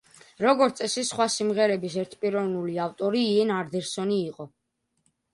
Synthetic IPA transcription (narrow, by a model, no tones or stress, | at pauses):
ɾɔɡɔɾt̪sʼɛsisχwasimʁɛɾɛbisɛɾt̪ʰpʼiɾɔvnuliavt̪ʼɔɾiːɛnaɾd̪ɛɾsɔniːqʼɔ